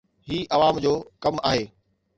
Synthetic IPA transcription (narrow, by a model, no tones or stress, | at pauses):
ɦiːʔɐʋaːmd͡ʑoːkɐmaːɦeː